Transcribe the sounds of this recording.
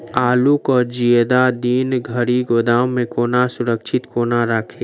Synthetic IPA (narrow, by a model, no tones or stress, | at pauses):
aːlukɔːɾd͡ʒiəd̪ad̪iːnɡʱəɾiɡoːd̪aːwmẽkoːnasʊɾəkʃʰɪt̪koːnaɾəkʰeː